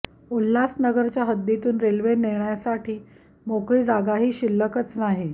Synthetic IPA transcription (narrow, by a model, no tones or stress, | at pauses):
ulːasnəɡəɾt͡ɕjaɦəd̪ːjet̪uːnɾelʋeniɳjasaʈʰiː | mokɭiːd͡zaɡaɦiːɕilːəkət͡snaɦe